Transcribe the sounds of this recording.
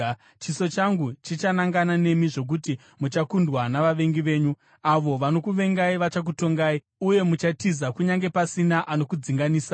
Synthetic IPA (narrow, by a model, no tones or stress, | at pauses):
t͡ʃiso̞t͡ʃaŋɡut͡ʃit͡ʃanaŋɡanane̞miʐo̞k̬uti | mut͡ʃakundwanaʋaʋe̞ŋɡiʋe̞ːɲu | aʋo̞ʋano̞kuʋe̞ŋɡaiʋat͡ʃak̬uto̞ŋɡaːi | uje̞mut͡ʃatizakuɲaŋɡe̞pasinaʔano̞kud͡ziŋɡaniːsa